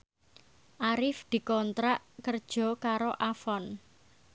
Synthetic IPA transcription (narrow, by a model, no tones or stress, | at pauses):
ʔaɾɪfd̪̥i̤kɔnt̪ɾaʔkərd̥ʒ̥ɔ̤kaɾoʔafɔn